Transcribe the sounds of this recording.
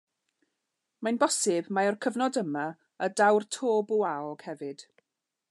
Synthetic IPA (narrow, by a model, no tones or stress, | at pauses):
majnbɔsɪbmaɔrkʰəvnɔdəma | ədawrtʰoːbuaɔɡ̥hɛvɨd̥